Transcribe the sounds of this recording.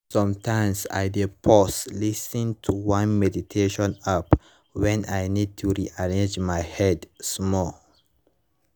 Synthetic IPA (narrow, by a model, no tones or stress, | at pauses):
sɔ̃mtʰãɪmsa̰jdepʰɔslisĩntʰuwãnmɛditʰeʃɔ̃nap | wɛ̃najnid̚tʰuɹiʔaɹẽnd͡ʒmajhɛdsmɔl